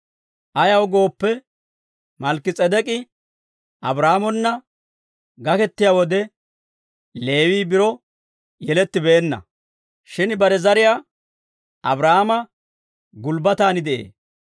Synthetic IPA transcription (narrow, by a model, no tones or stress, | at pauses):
ʔɐjɐwɡo̞ːpːɛ | mɐlkːɪt͡sʼɛd̪ɛkʼɪ | ʔɐbɾaːmɔnːɐ | ɡɐkɛt̪ːɪjawɔd̪ɛ | le̞ːwiːbɪɾɔ | jɛlɛt̪ːɪbe̞ːnːɐ̰ | ʃɪnbɐɾɛzɐɾɪjaː | ʔɐbɾaːmɐ | ɡʊlbɐt̪aːnɪd̪ɛʔḛːs